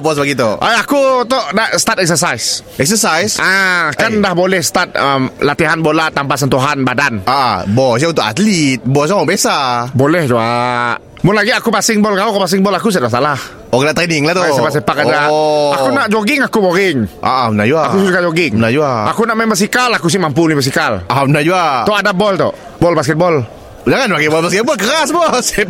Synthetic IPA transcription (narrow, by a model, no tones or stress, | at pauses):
bɔsbaɡit̪oʔajakut̪ɔʔdaʔsə̥t̪at̪ɛk̚sərsajsɛksəsajsʔakandahbolɛhsə̥t̪at̪̚əmlat̪iɦanbolat̪ampas̬ənt̪uɦanbadanaʔabɔs̬jaunt̪ʊka̰t̪lit̪̚bɔs̬jamabesabolɛhd͡ʒuaʔ | mʊnlaɡiakupasɪŋbɔlkalukupas̬ɪŋbɔlakus̬at̪̚as̬alah | ɔkəlaʔt̪ənɪŋlaht̪ɔasebaʔs̬epakadaakunaʔd͡ʒoɡɪŋakuboɾɪŋʔa̰ʔunad͡ʒuaa̰kusuukad͡ʒoɡɪŋnad͡ʒuaʔa̰kunaʔmambəs̬ikalakus̬ɪmampunibəs̬ikalaunad͡ʒuaɔadabɔlt̪ɔ̰ʔ | bɔlbaskɪt̪̚bɔl | daŋanbakɛbɔlbaskɛbkəɾasbɔs